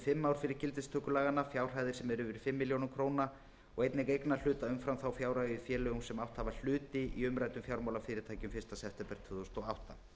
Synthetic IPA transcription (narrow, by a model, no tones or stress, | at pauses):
fɪmːawɾ̥fɪɾɪɾcɪlt̪ɪst̪ʰœːkʏlaːɣanːafjawr̥ɦaːjðɪɾ̥sɛmɛɾʏvɪɾ̥fɪmːɪljownʏmkʰɾowna | ɔɣejt̪nɪɣkejknal̥ʏːt̪aʏmfɾamθawfjawɾajʏfjɛːlʏɣumsɛmawht̪haval̥ʏːt̪ɪʔiʏmɾaːjt̪ʏmfjawɾmawlafɪːɾɪɾt̪ʰaːjcʏmfɪ̥st̪asɛft̪ɛmpɛɾt̪ʰvʏːðʏst̪ɔɣawht̪a